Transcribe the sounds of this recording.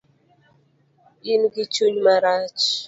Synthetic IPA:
inɡit͡ʃuɲmaɾat͡ʃ

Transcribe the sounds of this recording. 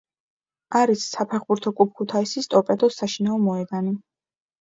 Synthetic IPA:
aɾisːapʰɛʁbuɾt̪ʰɔkʼup̚ʰkʰut̪ʰaisist̪ʼɔpʼɛd̪ɔsaʃinaɔmɔɛɡani

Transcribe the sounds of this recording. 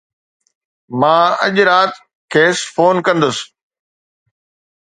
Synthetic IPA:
mãːɐʄɾaːt̪ | kʰeːsfoːnkɐ̃nd̪ʊsɪ̥

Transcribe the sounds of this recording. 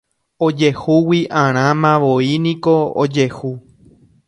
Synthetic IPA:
od͡ʒehuwiʔãɾ̃ãmãʋoinĩkoo̰d͡ʒehu

